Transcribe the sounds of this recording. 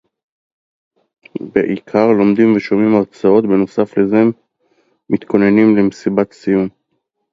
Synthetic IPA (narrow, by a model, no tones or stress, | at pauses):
be̞̰ʔikʰaʁlo̞md̪imveʃo̞mimaʁt͡sao̞t̪beno̞safle̞ze̞ | mit̪kʰo̞ne̞nimlemesibat̪sijum